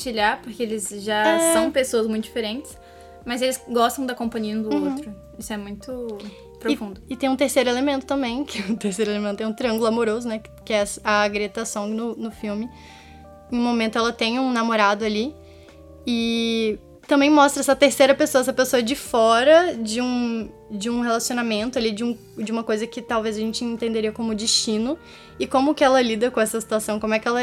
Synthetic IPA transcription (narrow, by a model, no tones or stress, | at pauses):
t͡ʃiʎaɾpoɾkeelɪzʒasɐ̃w̃pesoɐzmũt̪ʊd͡ʒifeɾẽnt͡ʃɪ̥s | mɐzelɪsɡɔst̪ɐ̃w̃d̪ɐkõpɐ̃ɲiɐ̃d̪ʊõt̪ɾʊ | isʊɛmũj̃t̪ʊ | pɾofũnd̪ʊɪt̪ẽj̃ũt̪eɾsejɾʊelemẽnt̪ʊ̥t̪ɐ̃mbẽj̃kɪɛũt̪eɾsejɾʊelemẽt̪ʊt̪ɛ̃t̪ɾiɐ̃ŋɡʊlʊamoɾozʊnɛk | kɪɛsɐɡɾet̪asɐ̃w̃nʊnʊfiwmɪ̃ | ũmomẽnt̪ʊɛlɐt̪ẽj̃ũnamoɾad̪ʊali | ɪ | t̪ɐ̃mbẽj̃mɔst̪ɾɐɛsɐt̪eɾsejɾɐpesoɐɛs̬ɐpesoɐd͡ʒɪfɔɾɐd͡ʒɪũ | d͡ʒɪũhelasionamẽnt̪ʊalid͡ʒɪũ | d͡ʒɪũmɐkojzɐkɪt̪awvezɐʒẽnt͡ʃɪẽnt̪ẽnd̪eɾiɐkõmʊd͡ʒiʃt͡ʃĩnʊ | ɪkõmʊkɪɛlɐlid̪ɐkõɛsɐsi̥t̪uasɐ̃w̃kõmʊɛkɪɛlɐ